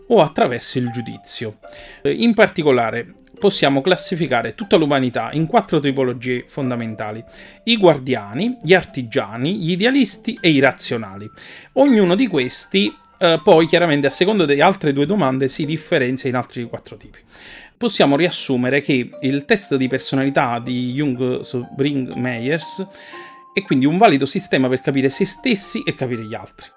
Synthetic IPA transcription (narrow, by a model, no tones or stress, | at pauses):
oat̪ːɾavɛrsoild͡ʒud̪ḭt̪sːjo | impart̪ikolaːɾe | posːjaːmoklasːifikaːɾet̪ut̪ːalumanit̪a̰ʔiŋkwat̪ːɾot̪ipolod͡ʒiːefond̪ament̪a̰ːliiɡward̪jaːniʎiart̪id͡ʒaːniʎːd̪ealist̪iʔeiɾat̪sːjona̰ːlioɲːuːnod̪ikwest̪i | pɔjkjaɾament̪easːekond̪od̪ealt̪ɾed̪uːed̪omand̪esid̪ifːeɾɛnt̪sjainalt̪ɾikwat̪ːɾot̪iːpi̥posːjaːmoriasːuːmeɾekeilt̪ɛst̪d̪ipersonalit̪ad̪ijuŋɡsbɾiŋɡmɛjers | ɛkːwind̪iuɱvaːlid̪osist̪ɛːmaperkapiːɾesest̪esːiʔekːapiːɾeʎia̰lt̪ɾi̥